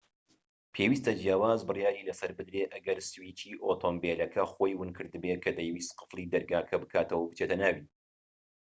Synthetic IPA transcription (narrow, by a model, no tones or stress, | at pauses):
pʰeːwiːst̪ɐd͡ʒjaːwaːzbɨrjaːɾiːlɐsɐɾbɨd̪ɾeʔɐɡɐɾsɨwiːt͡ʃʰiːʔoːt̪ʰoːmbelɐkʰɐxo̞jwɨnkʰɨɾd̪ɨbekʰɐd̪ɐjwist̪qɨ̥flˠid̪ɐɾɡaːkʰɐbɨkʰaːt̪ɐwɐbɨt͡ʃeːt̪ɐnaːwin